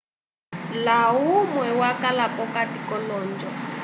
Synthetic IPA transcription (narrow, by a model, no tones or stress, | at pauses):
laumwɛwakalapɔkatikɔlɔːnd͡ʒɔ